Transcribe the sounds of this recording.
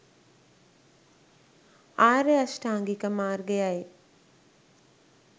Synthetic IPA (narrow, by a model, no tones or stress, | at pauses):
aːɾeasʈaːŋɡikəmaːrɡəjaje